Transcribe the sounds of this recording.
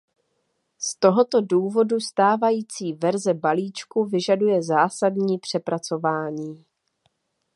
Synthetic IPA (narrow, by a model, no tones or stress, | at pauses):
st̪o̞ɦo̞t̪o̞duːvo̞dust̪aːvajiːt͡siːvɛɾzɛbaliːt͡ʃkuvɪʒadujɛzaːsadɲiːpr̝̥ɛpɾat͡so̞vaːɲiː